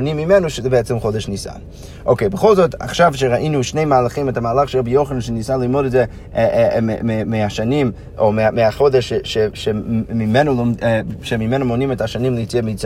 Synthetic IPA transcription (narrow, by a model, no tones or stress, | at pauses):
nimːimɛnuʃəzɛbəɛt͡sɛmχodɛʃnisa̰n | ʔokeɪbəχolˠzɔta̰χʃavʃeʁaʔinuʃneɪmaːlˠaχimɛtamaːlaχʃəʁabijoχənanʃenisanlˠimodɛtzɛ | emeaʃanim | omeameaχodɛʃʃeʃemimɛnulmʃemimɛnumonimɛtaʃanimləjt͡siamit͡sa